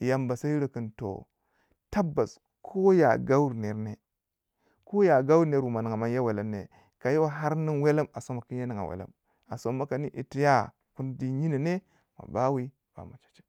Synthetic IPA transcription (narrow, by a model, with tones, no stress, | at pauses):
ja˨mba˨sa˦i˦ɾə˨kə˨nto̰˨ | ta˦bːa˨s | kʰo˦ja̰˨ɡa˦wu˦ɾne˨ɾne˨ | ko˦ja˨ɡa˦wu˦ɾne˨˦ɾwu˨ma˨nə˨ŋ˨a˨ma˦nja˦we˨la˦mnḛ˨ | ka˨ji˦wa˦ɦa˦ɾni˦nwe˦la˦ma˨so˦ma˨ki˦nja˦ni˨ŋa̰˨wḛ˨la̰˦m | a˨so˦mːa˦ka˨ni˦ʔi˨ti˦ja˦ | ku˦n˦di˦ɲi˦ni˨ne˦ | ma̰˨ba˦wi˦ | b̥a̰˨ma˨t͡ʃḁ˨t͡ʃe̥˦